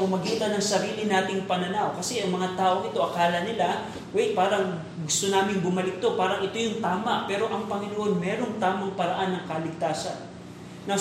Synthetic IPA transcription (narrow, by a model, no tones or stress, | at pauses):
mɐmɐɡiːt̪ɐnɐŋsɐɾiːlɪnaːt̪ɪŋpɐnɐnawkɐsɛʔɐŋmɐŋat̪aːʔoŋɪt̪o̞ʔɐkaːlɐnɪla | wɛjpaːɾɐŋ | ɡʊst̪onaːmɪnbʊmɐlɪk̚t̪o̞paːɾɐŋɪt̪o̞jʊŋt̪aːmɐʔpɛːɾo̞ʔɐŋpɐŋɪnoʔo̞nmɛːɾo̞ŋt̪aːmɐŋpɐɾɐʔanːɐŋkɐlɪɡ̚t̪aːsɐnː | ɐ